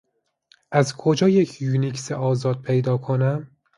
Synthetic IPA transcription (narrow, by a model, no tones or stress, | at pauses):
ʔæzkʰod͡ʒɒːjecʰjuːnikʰseʔɒːzɒːd̪̥̚pʰe̞jd̪ɒːkʰonæm